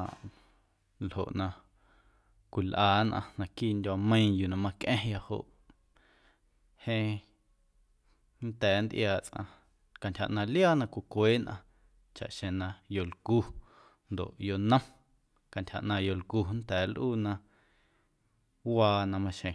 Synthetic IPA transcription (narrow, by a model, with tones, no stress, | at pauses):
a˨ʔ | lho̰˨ʔnã˧ | kʷi˨lʔaː˨˦nʔã̰˧nã˧kiː˦˨ndʲa˧mə̃˦ĩ˦˧ju˨nã˧mã˧kʔẽ˦ja˧ho̰˧˨ʔ | hẽ˧ | nt̪ɛː˨˦nd̪ʔjaː˧˨t͡sʔã̰˧ | ka˨ntʲha̰˨ʔnã˧ljaː˦˨nã˧kʷi˨kʷeː˦nʔã̰˧ | t͡ʃa̰˨ʔʃẽ˨nã˧jo˨lku˧ | nd̪o̰˨ʔjo˧nə̃˦m | ka˨ntʲha̰˨ʔnã˧jo˨lku˧˨nt̪ɛː˨˦lʔuː˦˨nã˧ | waː˧nã˧mã˧ʃẽ˨